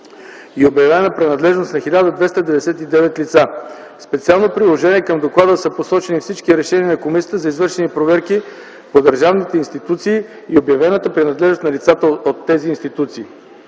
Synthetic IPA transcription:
iobjɐvɛnəpɾɛnɐd̪lɛʒnost̪nɐxilʲad̪əd̪vɛst̪əd̪ɛvɛd̪ɛsɛt̪id̪ɛvɛt̪lit̪sa | spɛt̪sialˠnopɾilˠoʒɛniɛkəmd̪oklˠad̪əsəposɔt͡ʃɛnifsit͡ʃkiɾɛʃɛniənɐkomisijət̪əzɐizvɤɾʃɛnipɾovɛɾki | pod̪əɾʒavnit̪ɛinst̪it̪ut̪siː | iobjɐvɛnət̪əpɾɛnɐd̪lɛʒnost̪nɐlit̪sat̪əot̪ːɛziːnst̪it̪ut̪siː

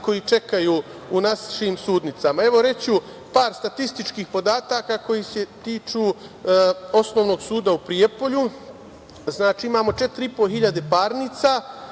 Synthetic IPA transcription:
ko̞jit͡ʃe̞kajuːunasʃiːmsuːd̪nit̪samae̞ʋo̞ɾe̞t͡ɕu | paːɾst̪at̪ist̪it͡ʃkiːxpo̞d̪aːt̪akako̞jise̞t̪iːt͡ʃuː | o̞sno̞ːʋno̞ːɡsuːd̪aupɾiepo̞ʎu | znaːt͡ʃiːimaːmo̞t͡ʃe̞t̪ɾiipo̞ɦiʎad̪e̞paːɾniːt̪sa

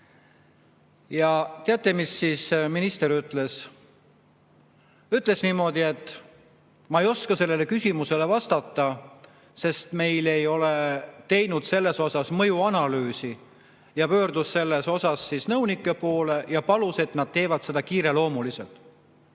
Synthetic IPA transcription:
jɑt̪eɑt̪ːˑemisːisminist̪e̞ɾyt̪ːˑle̞s | yt̪ːˑle̞sniːmo̞d̪ie̞t̪ːˑ | mɑejo̞skɑse̞lːe̞le̞kysʲimuse̞le̞vɑst̪ɑt̪ˑːɑ | se̞st̪me̞jle̞jo̞let̪e̞jnud̪̥se̞lːe̞so̞sɑsmɤjuɑnɑlyːsi | jɑpø̞ːɾd̪usːe̞lːe̞so̞sɑsːisnɤwnikːˑe̞po̞ːle̞jɑpɑluse̞t̪nɑd̪̥̚t̪e̞ːvɑt̪se̞d̪̥ɑkiːɾe̞lo̞ːmuliselt̪ˑ

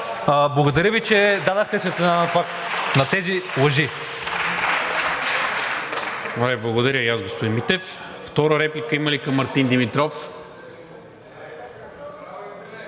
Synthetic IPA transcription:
əblˠɐɡod̪ɐɾjəvit͡ʃɛd̪ad̪əxt̪ɛsɛt̪ɛnanɐt̪vak̪ | nɐt̪ɛzilˠɐʒi | oɾɛblˠɐɡod̪ɐɾʲjəijasɡospod̪inmit̪ɛfft̪ɔɾəɾɛplʲikəiməlikɐmːɐɾt̪ind̪imit̪ɾɔf

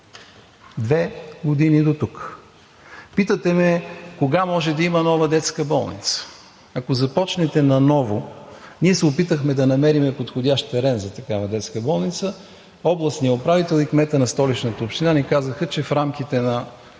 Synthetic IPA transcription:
d̪vɛɡod̪inid̪ot̪uk | pit̪ət̪ɛmɛkoɡamɔʒɛd̪ɐimənɔvəd̪ɛt̪skəbɔlˠnḭt̪sə̥ | ɐkozɐpɔt͡ʃnɛt̪ɛnɐnɔvoniɛsɛʊpit̪əxmɛd̪ɐnɐmɛɾimɛpot̪xodʲaʃt̪t̪ɛɾɛnzɐt̪ɐkavɐd̪ɛt̪skəbɔlˠnit̪sə | ɔblˠəsiəopɾavit̪ɛlˠikmɛt̪ənɐst̪ɔlit͡ʃnət̪əopʃt̪inanikazəxət͡ʃɛfɾamkit̪ɛnɐ

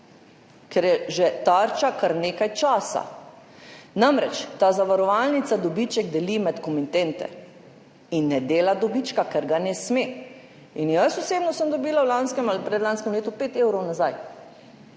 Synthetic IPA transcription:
kɛɾjɛʒɛt̪aɾt͡ʃakaɾneːkajt͡ʃaːsa̰ | namɾɛt͡ʃt̪azaʋaɾɔʋalnit̪sad̪ɔbit͡ʃɛɡd̪ɛlimɛt̪kɔmint̪ent̪ɛ̰ | inːɛd̪eːlad̪ɔbit͡ʃkakɛɾɡanɛsmeː | injəsɔseːbnɔsəmd̪obiːlawlanskɛmalipɾɛd̪lanskɛmleːt̪upeːt̪ewɾɔwnazaj

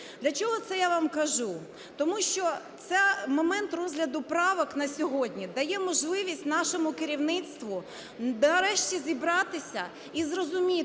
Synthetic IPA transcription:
d̪lʲɐt͡ʃɔɦɔt̪sɛjaʋɑmkɐʒu | t̪ɔmuʃt͡ʃɔt̪sɛmɔmɛnt̪rɔzʲɦlʲɐd̪ʊpɾɑʋɔknɐsʲɔɦɔdʲnʲid̪ɐjɛmɔʒlˠɪʋʲisʲtʲnɑʃɔmʊkɪɾʲiwnɪt̪st̪ʋʊ | ɐɾɛʃt͡ʃʲizʲibɾɑt̪ɪsʲɐ | izrɔzʊmʲi

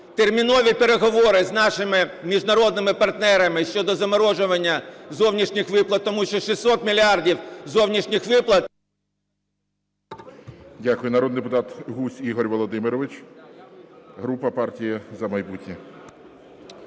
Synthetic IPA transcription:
t̪ermʲinɔʋʲipeɾeɦɔʋɔɾɪznɑʃɪmɪmʲiʒnɐɾɔd̪nɪmɪpɐrt̪nɛɾɐmɪʃt͡ʃɔd̪ɔzɐmɔɾɔʒʊʋɐnʲːɐzɔwnʲiʃnʲɪxʋɪplˠɐt̪ːɔmuʃt͡ʃɔʃisːɔt̪mʲilʲiɑrdʲiwzɔwnʲiʃnʲixʋɪplˠɐt̪ | dʲakʊjʊnɐɾɔd̪nɪd̪epʊt̪ɑt̪ɦusʲiɦɔɾʲʋɔlˠɔd̪ɪmɪɾɔʋɪt͡ʃ | ɦɾupɐpɑrtʲijizɐmɐjbutʲnʲi

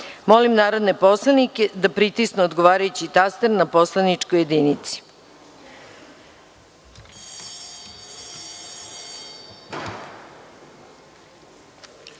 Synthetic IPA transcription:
molimnaːɾod̪nepo̞slˠaniked̪apɾit̪isneod̪ɡoʋaːɾajut͡ɕit̪ast̪eɾnaposlˠanit͡ʂkoje̞d̪iːnit̪si̥

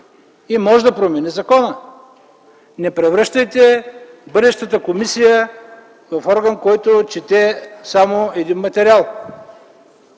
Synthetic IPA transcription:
imɔʒɛd̪ɐpɾomɛnɛzɐkɔnə | nɛpɾɛvɾɤʃt̪əjt̪ɛbɤd̪ɛʃt̪ət̪əkomisijə | vɐfɔɾɡənkɔjt̪ot͡ʃit̪ɛsamoɛd̪inmɐt̪ɛɾialˠ

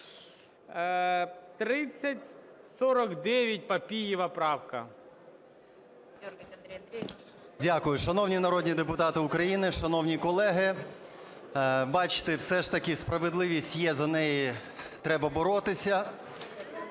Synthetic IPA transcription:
t̪ɾɪt͡sʲːɐtʲ | sɔɾɔkd̪ɛʋʲjɐt̚ʲpɐpʲijɪʋɐpɾɑwkɐ̰ | dʲakʊjʊʃɐnɔwnʲinɐɾɔdʲnʲid̪epʊt̪ɑt̪ɪʊkɾɐjinɪʃɐnɔwnʲikɔlˠɛɦɪ | bɑt͡ʃɪ̥t̪ɪwsɛʃt̪ɐkʲɪspɾɐʋed̪lˠɪʋʲisʲtʲjɛzɐnɛjit̪ɾɛbɐbɔɾɔt̪ɪsʲɐ

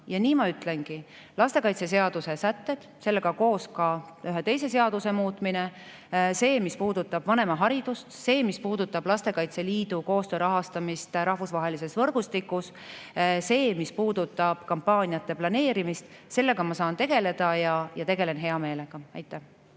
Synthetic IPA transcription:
jɑniːmɑyt̪ˑle̞nki | lɑst̪e̞kɑjt̪se̞s̬e̞ɑd̪̥use̞sæt̪ːe̞d̪̥se̞lːeɡ̥ɑko̞ːskɑyɦet̪e̞js̬e̞se̞ɑd̪use̞muːt̪mine | se̞ːmispuːd̪̥ut̪ːˑɑb̥vɑne̞mɑɦɑɾid̪̥ust̪se̞ːmispuːd̪̥ut̪ːˑɑb̥lɑst̪e̞kɑjt̪se̞liːd̪uko̞ːst̪øːɾɑɦɑst̪ɑmist̪ɾɑhvusvɑɦe̞lise̞svɤɾɡ̥ust̪ikːˑus | se̞ːmispuːd̪̥ut̪ːˑɑb̥kɑmpːɑːnʲijɑt̪ːe̞plɑne̞ːɾimist̪se̞lːe̞ɡ̥ɑmɑsɑːnt̪e̞ɡ̥e̞le̞d̪̥ɑjɑjɑt̪e̞ɡe̞le̞nɦe̞ɑme̞ːle̞ɡ̥ɑɑjt̪ːˑæh

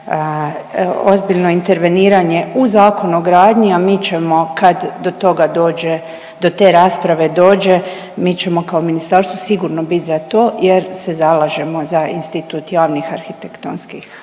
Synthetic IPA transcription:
o̞zbiʎno̞int̪e̞ɾʋe̞niːɾaɲe̞uzaːko̞nuoɡɾaːd̪ɲiamiːt͡ɕemo̞kad̪d̪o̞t̪o̞ɡad̪o̞ːd͡ʒe | d̪o̞t̪e̞ːɾaːspɾaʋe̞d̪o̞ːd͡ʒe̞ | mit͡ɕe̞mo̞kaominist̪aːɾst̪ʋosiɡuɾnobit̪zat̪o̞ːjeɾsezalˠaʒe̞mo̞zainst̪it̪uːt̪jaːʋnixaɾxit̪ekt̪onskix

